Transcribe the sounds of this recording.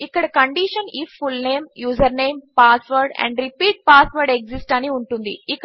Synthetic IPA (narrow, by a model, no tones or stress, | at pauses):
ikːɐɽɐkɐɳɖiʃɐnifːulneːmjuːzɐɾneːmpaːsʋɐɾɖɛ̰̃ɳɖɾipiːʈ̚paːsʋɐɾɖeksisʈɐniuɳʈund̪ḭikː